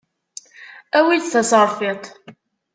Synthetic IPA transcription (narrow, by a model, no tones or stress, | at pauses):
æwiθæsəɾˤfit̪ˤ